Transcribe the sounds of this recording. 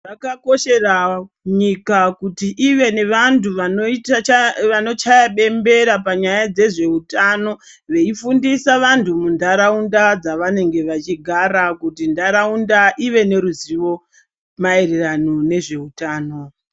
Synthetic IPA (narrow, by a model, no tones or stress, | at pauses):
rakako̞ʃe̞ra | ɲikakutiʔiʋe̞ne̞ʋantʰuʋanoitaʋano̞t͡ʃajaɓe̞mbe̞ɾapaɲajad͡ze̞ʐe̞utano̞ | ʋe̞ifundisaʋantʰumundaɾaundad͡zaʋane̞ŋɡe̞ʋat͡ʃiɡʱaɾakutindaɾaundaʔiʋe̞ne̞ɾuziʋo̞ | maereranone̞ʐe̞utaːno̞